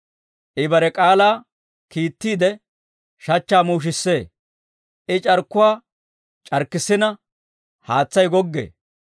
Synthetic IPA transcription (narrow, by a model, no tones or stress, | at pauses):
ʔɪbɐɾɛkʼaːlaː | kiːt̪ːiːd̪ɛ | ʃɐt͡ʃːaːmuːʃ̬ɪsːe̞ː | ʔɪt͡ʃʼɐɾkːʊwaː | t͡ʃʼɐɾkːɪsɪnɐ | haːt͡sːɐjɡɔɡːḛː